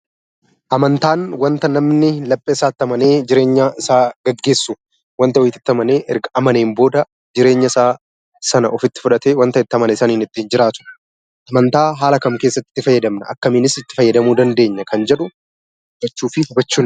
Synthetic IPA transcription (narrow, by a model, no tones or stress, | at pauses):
ʔɐmɐnt̪aːnwɐnt̪ɐnɐmnɪlɐpʼːeɪsaːt̪ːɐmɐneːd͡ʒɪɾe̞ːɲːaɪsaːɡ̥ɐɡːe̞ːsːʊ | wɐnt̪ɐwɔjt̪ɪ̥t̪ːɐmɐne̞ːʔɛɾɡɐʔɐmɐneːmbo̞ːd̪ɐ | d͡ʒɪɾe̞ːɲːɐɪsaː | sɐnɐɔfɪt̪ːɪ̥fʊᶑɐt̪eːwɐnt̪ɐɪt̪ːɐmɐnɐɪsɐniːnɪt̪ːiːnd͡ʒɪɾaːt̪ʊ̥ | ʔɐmɐnt̪aːɦaːlɐkɐmke̞ːsːɐt̪ːɪ̥t̪ːɪfɐjːɐd̪ɐmnɐʔɐ̰kːɐmɪːnɪsɪt̪ːɪ̥fɐjːɐd̪ɐmuːd̪ɐnd̪e̞ːɲːɐkɐnd͡ʒɛᶑʊ | d͡ʒɛt͡ʃːuːfɪhɐbɐt͡ʃːuːn